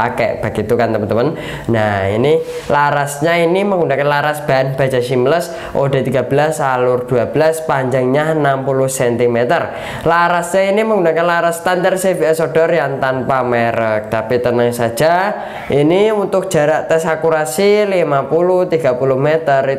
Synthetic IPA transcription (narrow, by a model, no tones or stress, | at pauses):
akɛ̰ʔb̥a̤ɡ̥it̪ukant̪əmənt̪əmən | naḭni | laɾasɲainiməŋɡunakanlaɾasb̥aanb̥ḁd͡ʒasimləs | ʔod̥a̤t̪iɡa̤b̥əlasalʊrd̥uabəlaspaɲd͡ʒaŋɲanampulʊhsɛnt̪imet̪ər | laɾasɲainiməŋɡunakanlaɾast̪and̪arseviɛsod̥ɔrjaŋt̪anpameɾək̚t̪apit̪ənəŋsḁd͡ʒ̥a | iniunt̪ʊk̚d̥ʒ̥a̤ɾaʔt̪ɛsakuɾasilimapulʊht̪iɡ̥apulʊhmet̪ər